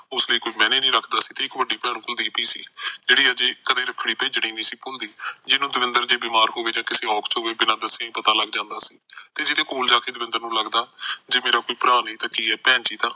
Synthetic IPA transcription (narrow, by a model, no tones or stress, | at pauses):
ʊsləiːkoːiːmɛ̃ːnẽːnĩːɾəkʰd̪aːsiːt̪eːɪkʋəɖiːpɛːɳ̃kʊld̪iːpiːsḭːd͡ʒeːɽiːəd͡ʒeːkəd̪eːɾəpʰɽiːpəiːd͡ʒəɽ̃iːnĩːsiːpʊld̪iːd͡ʒɪnũːd̪ʊʋɪnd̪əɾd͡ʒeːbiːmaːɾɦoːʋeːd͡ʒãːkɪseːɔːkʰt͡ʃɦoːʋeːbɪnãːd̪əsːẽpət̪aːləɡd͡ʒãːnd̪aːsḭːt̪eːd͡ʒɪt̪ẽːkoːld͡ʒaːkeːd̪ʊʋɪ̃nd̪əɾnũːləɡd̪aːd͡ʒeːmeːɾaːkoːiːpɾaːnĩːt̪aːkiːɛːpɛːnt͡ʃiːt̪ãː